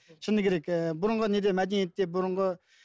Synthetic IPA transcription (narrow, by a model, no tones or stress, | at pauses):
t͡ɕʰənək̚rek̪̚mboɾaŋqəɦnid̪emaɦd͡ʑənjənt̪emboɾoŋkə